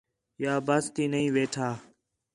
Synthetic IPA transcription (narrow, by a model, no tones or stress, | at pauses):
jaːbəst̪iːnəĩːʋeːʈʰaː